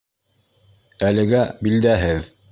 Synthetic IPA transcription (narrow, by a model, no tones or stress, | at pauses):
ælɘ̆ɡæbild̪æɦɘð